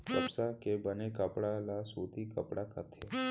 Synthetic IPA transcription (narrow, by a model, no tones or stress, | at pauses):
kəpsakebənekəpɽalasut̪ikəpɽakət̪ʰe